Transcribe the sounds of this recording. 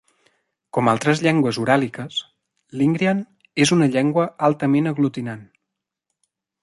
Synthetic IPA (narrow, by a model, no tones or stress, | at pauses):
kɔmalˠt̪ɾəzʎɛŋɡwəzuɾalikəs | liŋɡɾian | ezunəʎɛŋɡwəalˠt̪əmenəɣlut̪inan